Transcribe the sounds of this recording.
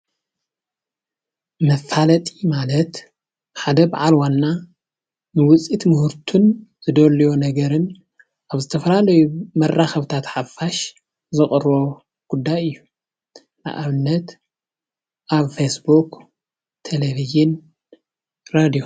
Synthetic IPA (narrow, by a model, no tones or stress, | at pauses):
mɐfːalɐt̪ʼimalɐt̪ | ħad̪ɐbaʕalwanːa | nɨwʊt͡sʼit̪mʊhuɾt̪ʰunz̥ɨd̪ɐlijonɐɡɐɾɨn | ʔaβzɨt̪ʰɐfɐlalɐjumɐrːaxɐβt̪ʰat̪ħafːaʃ | zɨχʼɨrβo̞ | ɡ̥ud̪ːajɨjːu | na̰ʔaβɨnːɐt̪ | ʔaβfesbuk | t̪ʰeleβizɪn | ɾad̪ijo